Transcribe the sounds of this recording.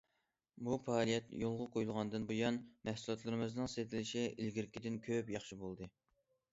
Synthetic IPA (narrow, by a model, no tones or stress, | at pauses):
bufɑːlˠijɛt̪jolˠʁʊqʰojulˠʁɑnd̪ɨnbojɑnmɛhsulˠɑt̪lˠɨɾmɨznɨŋset̪ʰɪlɪʃɪilɡʲiɾkʲid̪ɪnkʲʰøpjɑχʃibolˠd̪ɨ